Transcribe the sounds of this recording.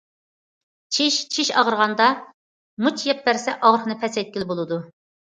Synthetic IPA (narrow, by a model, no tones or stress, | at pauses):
t͡ʃʰiʃt͡ʃʰiʃɑ̰ʁəɾʁɑnd̪ɑ | mut͡ʃʰjɛp̚bæɾsɛʔɑʁɾəχnɨpʰɛsɛjt̪̚kʲɪlɪbolˠɨd̪u